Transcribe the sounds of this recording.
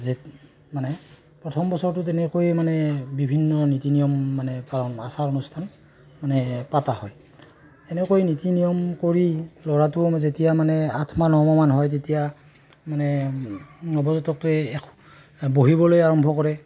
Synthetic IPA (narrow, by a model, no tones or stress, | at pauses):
ze | manɛ | pɹɔtʰɔmbɔsɔɹtʊt̬ɛnɛkojmanɛbibʱinːɔnitinijɔmːanɛpaɹɔnasaɹɔnustʰan | manɛpatahɔj | tɛnɛkojnitinijɔmkoɹilɔɹatʊzetijamanɛatʰmanɔɹmɔmanɦɔjt̬etija | manɛ | ɔbɔzɔtɔk̚tʊɛkʰ | boɦibɔlojaɹɔmbʱɔkɔɹɛ